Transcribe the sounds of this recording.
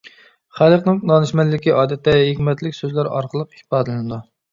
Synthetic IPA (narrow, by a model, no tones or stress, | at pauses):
χælˠəqnɨŋnɑnɨʃmɛlːɪkʲiʔɑːd̪ɛt̪ʰːɛɦikʲmɛt̪lɪkʲsøzlæɾɑ̰ɾqʰəlˠəqi̥hpɑːd̪ɨlɨnɨd̪u